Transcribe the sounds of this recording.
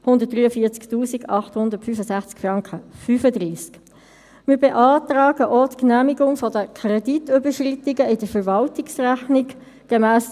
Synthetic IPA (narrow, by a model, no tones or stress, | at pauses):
hʊndət̚d̥ʁyːəfiːɐt͡sktuːsiɡɑχthʊndətfyfəsæχt͡skfʁɑŋkəfyːfədʁiːsk | miːbeʔɑːtʁaːɡəʔɔtknæːmiɡʊŋfɔdəkʰrɛditøbəʃrɪtɪɡəɪd̥əfəɾvɑltɪksræχnɪɡ | ɡ̥emæːs